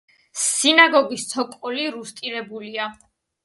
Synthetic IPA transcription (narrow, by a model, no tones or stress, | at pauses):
sinaɡɔɡist̪sʰɔkʼɔliɾust̪ʼiɾɛbulia